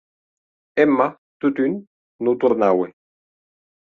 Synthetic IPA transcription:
ɛmːa | t̪ut̪ynː | ut̪uɾnawe

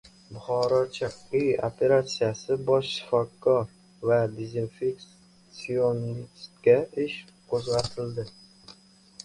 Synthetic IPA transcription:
bʊχɒɾɒt͡ʃʰɪqiopʰe̞ɾat̪sijasɪbɒʃʃɪ̥fɒkʰːɒɾ | vad̪ezinfek | sionist̪kʲaɪʃ | qʰozʁɑt̪ʰɪld̪ɪ

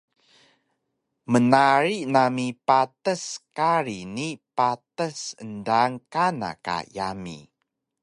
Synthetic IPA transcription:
mənaɾinamipatəskaɾinipatəsəndaŋkana̰ka̰jamḭ

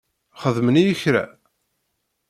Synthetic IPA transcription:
χəðmənijəçɾæ̰

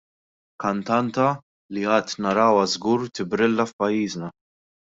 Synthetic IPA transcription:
kɐnt̪ɐnt̪ɐ | liɐːt̪nɐɾɐːwɐzɡuːɾt̪ɪbɾɪlːɐfpɐjːiːznɐ

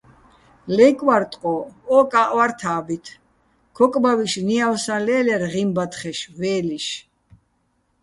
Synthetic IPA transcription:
lɛkʼwaɾt̪ʼqʼɔɔkʼaʔʼwaɾt̪ʰaːbit̪ʰ | kʰɔkʼbawiʃniawsalɛːlɛɾʁimbat̪χɛʃvɛːliʃ

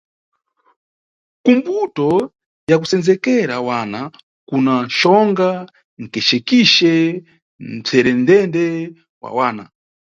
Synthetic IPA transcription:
kumbutɔ | jak̬usɛnd͡zɛkɛɾawana | kunaʃɔŋɡa | ŋ̩kɛʃɛkiʃɛ | n̩b͡ʐʰɛɾɛndɛndɛ | wa̰waːna̰

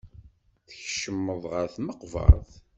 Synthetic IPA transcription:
θəçʃəmːəðˤʁəɾθməqvɑ̰ɾˤθ

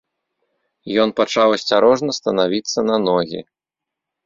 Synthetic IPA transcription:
jɔn̪pat͡ʂawɐsʲt͡sʲaɾɔʐnɐst̪ɐnavʲit̪sːɐnɐnɔɣʲḭ

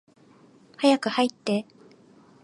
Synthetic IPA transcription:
hajakɯ̟hait̪ːe̞

